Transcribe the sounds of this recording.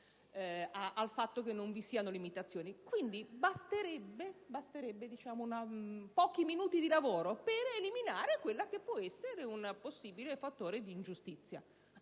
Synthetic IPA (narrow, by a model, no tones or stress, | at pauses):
aalfat̪ːokenːoɱvisiːanolimit̪at̪sːjoːnikwind̪ibast̪eɾɛbːebast̪eɾɛbːed̪it͡ʃaːmounapɔːk̟iminuːt̪id̪ilavoːɾopereliminaːɾekwelːak̟epːwɔɛsːeɾeunposːiːbilefat̪ːoːɾed̪iːnd͡ʒust̪it̪sːja̰